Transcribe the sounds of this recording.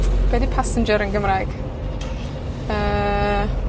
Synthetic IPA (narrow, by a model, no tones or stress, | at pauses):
b̥ɛdipʰasənd͡ʒəɾənɡəmrajɡ̥ | əː